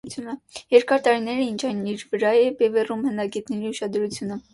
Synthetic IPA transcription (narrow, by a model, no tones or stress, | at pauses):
t͡sʰjunəjɛɾkɑɾt̪ɑɾinɛɾəint͡ʃʰɑjniɾvəɾɑjɛbɛvɛrumhənɑɡɛt̪nɛɾiuʃɑd̪ɾut͡sʰjunə